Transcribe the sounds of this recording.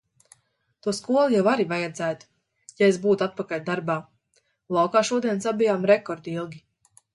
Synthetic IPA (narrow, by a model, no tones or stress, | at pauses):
t̪uɔskuɔlˠujawaɾivajɛd̪zæːt̪u̥ | jaesbuːt̪at̪̚pakalʲd̪aɾbaː | lˠɑwkaːʃuɔd̪iɛnsabijaːmɾɛkɔɾd̪ilˠɡʲi